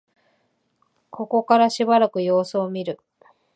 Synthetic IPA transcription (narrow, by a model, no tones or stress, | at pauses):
kʰo̞ko̞kaɾaɕibaɾakɯ̟jo̞ːsɨomʲiɾɯ̟